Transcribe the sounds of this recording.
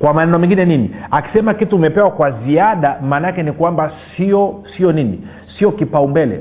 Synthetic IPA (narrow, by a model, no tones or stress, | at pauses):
kwamanɛnɛɔmɛŋɡinɛniniaki̥sɛmakitumɛpɛwakwaziaɗamaːnakɛnikwambasiɔsiɔninḭ | siɔkipaumbɛlɛ̰